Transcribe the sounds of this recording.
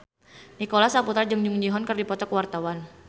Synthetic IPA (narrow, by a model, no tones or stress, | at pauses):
nikolasaput̪ɾad͡ʒɨŋd͡ʒuŋd͡ʒiɦɔnkɨrdipɔt̪ɔkwart̪awan